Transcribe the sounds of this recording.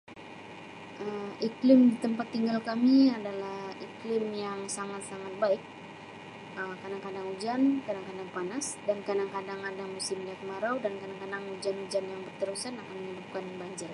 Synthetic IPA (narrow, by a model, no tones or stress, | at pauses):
ʔəmiklɪmdit̪əmpat̪ːiŋɡalkamiadalahiklɪmjaŋsaŋat̪saŋat̪̚baɪk̚ | ʔəmkadaŋkadaŋud͡ʒankadaŋkadaŋpanasdankadaŋkadaŋadaŋmusɪmliat̪̚maɾawdankadaŋkadaŋud͡ʒanud͡ʒanjaŋbərt̪əɾusanakanməɲəbup̚kanbaɲd͡ʒɪr